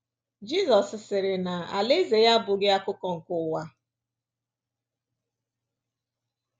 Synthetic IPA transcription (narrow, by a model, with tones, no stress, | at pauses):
d͡ʒi˦zɔ˨sɪ˨sɪ˨ɾɪ˨na˨a̰˨lɪ˦ze˨ja˦bʊ˨ɡɪ˦a˦kʊ˦kɔ˨ŋ̩˨kʊ˦˨wa˦